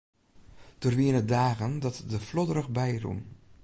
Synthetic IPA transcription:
d̥ərʋiənədaːɣəndɑtdəflɔdərəχbɛjrṵm

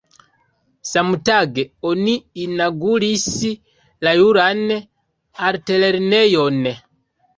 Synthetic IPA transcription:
samutaɡɛɔniːnaɡulisi | lajuɾanɛ | aɾitɛlɛɾinɛjɔnɛ

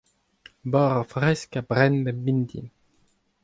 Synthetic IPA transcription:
bɔʁafʁɛskabʁɛnbɛmbind̪ḭ

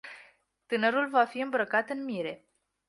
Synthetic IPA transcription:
t̪ɨnəɾulvafiɨmbɾəkat̪ɨnmiɾe̞

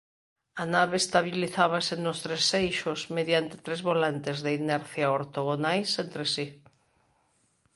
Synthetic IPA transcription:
anaβeːst̪aβ̞iliθaβasenost̪ɾesːejʃosmeðjant̪e̥t̪ɾezβolant̪ezðeinɛɾθjaoɾt̪oɣonajsent̪ɾesi

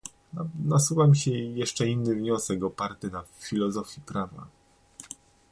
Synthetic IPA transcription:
nasuvamʲiɕɛjɛʂt͡ʂɛinːɘvɲɔsɛkɔpaɾt̪ɘnafʲilɔzɔfʲjipɾava̰

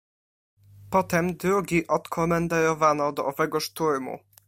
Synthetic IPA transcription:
pɔt̪ɛmd̪ɾuɡʲiʔɔt̪kʰɔmɛnd̪ɛɾɔvanɔd̪ɔʔɔvɛɡɔʂt̪uɾmṵ

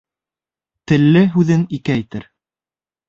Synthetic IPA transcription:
t̪ɘ̆lːɘɦʉðɘnikæjt̪ɘɾ

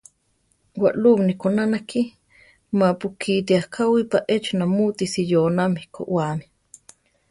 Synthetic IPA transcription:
wa̰ʔlumnikonanaki | mapukʰit̪̬iahkʰawipaʔet͡ʃnamut̪isijoːnamihko̰ʔwami

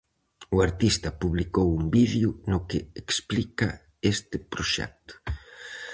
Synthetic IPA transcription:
uaɾt̪ist̪ɐpuβlikowumbiðjunʊkɪeksplikɐ | est̪ɪpɾoʃɛ̰k̚t̪ʊ̥

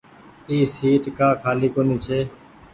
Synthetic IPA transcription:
iːsiːʈkãːkʰaːliːkoːniːt͡ʃʰeː

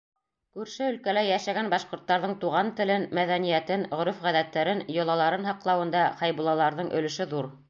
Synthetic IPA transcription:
kʉɾʃɘɵ̆lkælæjæʃæɡænbɑʃqŏɾt̪ːɑɾðɤɴt̪uʁɑnt̪ɘ̆lɘnmæðænijæt̪ɘnʁɵ̆ɾɵfʁæðæt̪ːæɾɘnjŏlˠɑlˠɑɾɤnhɑqlˠɑwɤ̆nd̪ɑχɑjbulˠɑlˠɑɾðɤɴʔɵ̆lɘ̆ʃɘðuɾ

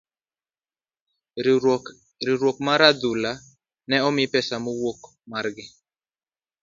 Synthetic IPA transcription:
ɾiɾwok̚maɾad̪ula | nɛɔmɪpɛsamowok | marɡɪ

